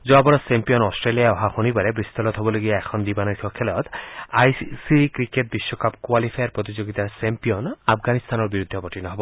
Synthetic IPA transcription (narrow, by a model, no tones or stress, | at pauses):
zɔabɔɾɔsempijɔnɔsʈɾeliaeɔɦaxonibaɾebɾist̪ɔlɔt̪ɦɔbɔloɡijaekʰɔnd̪ibanɔsʰɔkʰelɔt̪ajsiikɾiket̚biʃːɔkapkwalipʰajɔɾpɾot̪̬id͡ʑoɡit̪asempiɔnapʰɡanist̪ʰanɔɾbiɾud̪ʱːɔpɔʈinɔɦɔbɔ